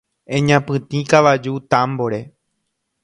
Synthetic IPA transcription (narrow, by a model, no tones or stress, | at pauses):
ẽɲãpɨ̃t̪ĩkaʋad͡ʒut̪ãmboɾe